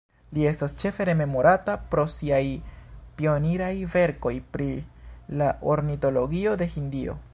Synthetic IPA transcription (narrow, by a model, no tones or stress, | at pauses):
lie̞stast͡ʃe̞fe̞ɾe̞me̞mo̞ɾatapɾo̞siajpio̞niɾajve̞ɾko̞jpɾilaʔoɾnito̞lo̞ɡio̞de̞hindio̞̰